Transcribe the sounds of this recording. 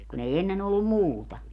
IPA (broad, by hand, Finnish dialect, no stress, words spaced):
kun ei enːen olːum muːtɑ